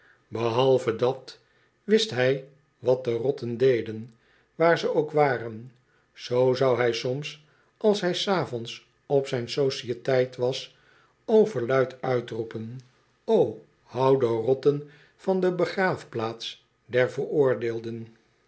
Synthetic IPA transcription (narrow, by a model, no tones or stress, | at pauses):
bəɦɑlˠvədɑt | ʋɪstɦɛj | ʋɑt̚dərɔtəndejdən | ʋaːɹzəowkʋaːrən | z̥owzɑwɦɛjsɔms | ɑlˠsɦɛjsaːfɔns | ɔpsɛjnsoʃiətɛjtʋɑs | owvəɹlœɥtʰœɥtrupən | ow | hɑwdərɔtən | fɑndəbəχraːfplaːt̪s | dɛɹvəɹʊːɹdeːlˠdən